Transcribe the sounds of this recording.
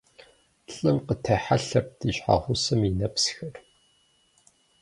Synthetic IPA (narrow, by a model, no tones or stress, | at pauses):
ɬʼɨmqətʰɐħaɬɐp̚d̥iɕʼħa̰ʁʷʊsɐminɐpsxɐr